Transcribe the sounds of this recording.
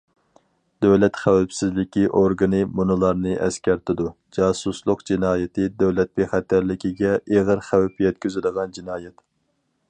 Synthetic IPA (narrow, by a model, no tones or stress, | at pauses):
d̪̥ɛwlɛt̪χæwæpsɪzlɪkʲiʔoɾɡɨnɨmunɨlˠɑɾnɨʔɛskʲɛɾt̪ʰɪd̪u | d͡ʒɑːsuslˠʊqd͡ʒinɑːjɪt̪ʰɨd̪ɛwlɛt̪̚beχæt̪ʰːæɾlɪkʲiɡʲɛʔeʁəɾχæwɛpjɛt̪̚kʲyzyd̪əʁɑnd͡ʒinɑːjɛt̪